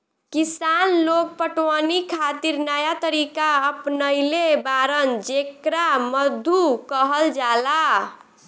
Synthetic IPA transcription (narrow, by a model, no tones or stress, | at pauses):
kisanlok̚pəʈwənikʰat̪iɾnajat̪əɾikaəpnəɪlebaɾənd͡ʒekɾaməd̪ʱukəɦəld͡ʒala